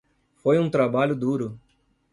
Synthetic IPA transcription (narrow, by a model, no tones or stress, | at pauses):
fojũt̪ɾabaʎʊd̪uɾʊ